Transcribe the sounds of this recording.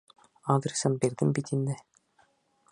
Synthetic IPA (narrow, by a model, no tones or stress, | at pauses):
ad̪rʲɪsɤmbiɾðɘmbit̪ind̪ɘ